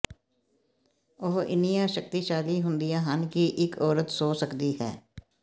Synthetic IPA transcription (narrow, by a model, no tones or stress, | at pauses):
oɦɪ̰nijãːʃək̚t̪iːʃaːliːɦʊ̃nd̪ijãːɦənkiːʔɪkɔːɾət̪soːsəkd̪iːɦɛ̰ː